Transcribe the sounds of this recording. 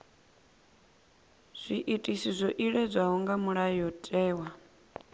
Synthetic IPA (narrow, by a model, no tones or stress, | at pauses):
z̥ʷiʔitʼisizʷɔʔiɺɛd͡zʷaɦuŋɡamuɺajɔtʼɛːwa